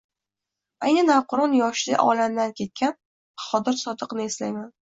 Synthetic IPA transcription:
ajnɪnavqʰʊɾɒnjɒʃlɪ̰ʔɒ̰lamd̪ankʲʰe̞t̪̚kʲan | χɒd̪ɪɾsɒd̪ɨqnɪeslajman

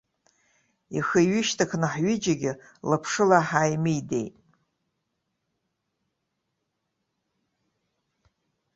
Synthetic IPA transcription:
ixəɥɪʃtʰakʰnɨħɥɪd͡ʒaɡʲɪ | lapʰʂɨlaħajmɨjde̞̰jtʼ

